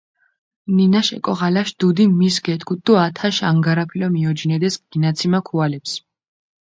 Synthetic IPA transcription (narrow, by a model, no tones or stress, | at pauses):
ninaʃɛ̰kʼɔʁalaʃd̪̥ud̪imisɡɛt̪ʰkʰut̪̚d̪uat̪ʰaʃaŋɡaɾapʰilɔmiɔd͡ʒinɛd̪ɛsɡ̥inat̪sʰimakʰualɛps